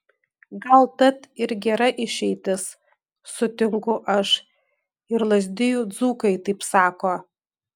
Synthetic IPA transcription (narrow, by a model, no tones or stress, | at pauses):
ɡɐlˠt̪ɐt̪ɪɾɡʲɛɾɐʔɪʃʲɛɪt̪ʲɪs | sʊt̪ʲɪŋkʊʔɐʃ | ɪɾlˠɐzʲd̪ʲɪjʊd̪zuːkɐɪt̪ɐɪpsɑːkoː